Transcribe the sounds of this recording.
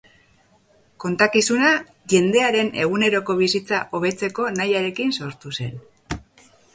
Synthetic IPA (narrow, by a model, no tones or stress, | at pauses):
ko̞nt̪akisuna | ʝe̞nd̪e̞aɾe̞ne̞ɣ̞une̞ɾo̞ko̞βisit͡sa̰ʔo̞β̞e̞t͡se̞ko̞najaɾe̞kinso̞ɾt̪use̞n